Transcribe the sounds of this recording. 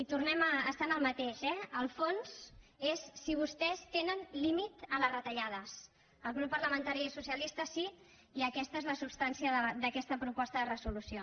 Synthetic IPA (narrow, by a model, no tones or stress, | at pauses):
it̪urnɛməːst̪anəlˠmət̪eʃɛəlˠfonsesːiβ̞ust̪ɛst̪enənlimit̪ələrət̪əʎað̞əs | əlˠɣ̞ɾupːərləmənt̪aɾiisusiəlist̪əsi | iəkɛst̪əezləsupst̪ansiəðəd̪əkɛst̪əpɾupɔst̪əðərəzulusio